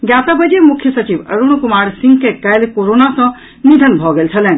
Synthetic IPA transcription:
ɡjat̪abəd͡ʒemukʰjəsət͡ʃibə̰ɾunkumaɾsĩŋɡkekɛlkoɾonasə̃ | nid̪ʱənbʱɔɡelt͡ʃʰəlɛ̃ːn

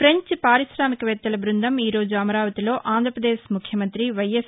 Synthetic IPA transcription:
fɾeɲt͡ʃpaːɾisɾaːmikɐʋɛt̪ːɐlɐbɾund̪ʱɐmiːɾo̞ːd͡ʒuɐmɐɾaːʋɐt̪ilo̞ːʔaːnd̪ʱɾɐpɾɐd̪eːʃmukʰjɐmɐnt̪ɾiʋɐjes

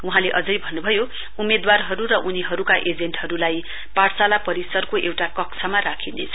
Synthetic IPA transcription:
uɦãleʔʌd͡zʌjbʱʌnːubʱʌjo | umed̪warɦʌɾuɾʌʔuniɦʌɾukaʔed͡zenʈɦʌɾulaj | paɽsalapʌɾisʌrkoʔewʈakʌkt͡sʰamarakʰinḛt͡sʰʌ̥

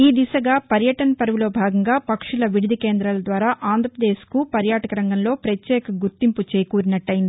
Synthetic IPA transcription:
iːd̪isɐɡaːpɐɾjɐʈɐnɐpɐɾɐʋulo̞ːbʱaːɡɐŋɡaːpɐkʂulɐʋiɽid̪ʱikeːnd̪ɾalɐd̪ʋaːɾaːʔaːnd̪ʱɾɐpɾɐd̪e̞ːskupɐɾjaːʈɐkɐɾɐŋɡɐnlo̞ːpɾɐtjɛːkɐɡuɾt̪imput͡ʃeːkuːɾinɐʈːɐjind̪i

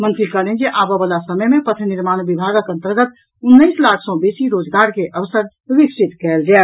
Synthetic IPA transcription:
mənt̪ɾikəlɛnd͡ʒeʔabəbalasəməjmepət̪ʰəniɾmañbibʱaɡəkə̃nt̪əɾɡət̪ | unːəjslakʰsɔ̃besiɾod͡ʒɡaɾkeʔʔəʋsəɾ | ʋiksit̪kɛld͡ʒae

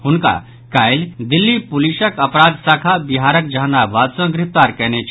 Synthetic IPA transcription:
ɦʊnka̰ | kaːɪld̪ɪlːipʊliʃəkɐpɾaːd̪saːkʰabɪɦaːɾək̚d͡ʒaːnabaːd̪sə̃ɡɾɪp̚t̪aːɾkɛːnet͡ʃʰ

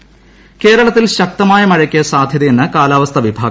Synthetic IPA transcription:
ke̞ːɾɐɭɐt̪ːilɕɐk̚t̪ɐmaːjɐmɐɻɐkʲːijɐsaːd̪ʱjɐðɐjenːɨkaːlaːʋɐst̪ʰɐʋibʱaːɡ

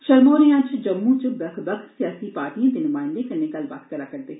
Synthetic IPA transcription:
ʃəlmoːɾẽjãt͡ʃd͡ʒəmːũt͡ʃbəkʰbəkʰt̪sijaːsipaːɾʈiːãːd̪eːnʊmãːɪ̃nd̪ekənekəlʋa̰ːt̪kəɾaːkəɾd̪eː

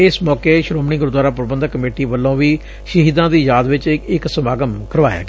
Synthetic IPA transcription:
ɪsmɔːkeːʃɾoːmɳɪ̃ːɡʊɾd̪waːɾaːp̬əɾəbənd̪kːəmeːʈiːʋəlːõːʋiː | ʃəɦiːd̪ãːd̪iːjaːd̪ʋɪt͡ʃɪksəmaːɡəmkəɾʋaːja̰ːɡɪ

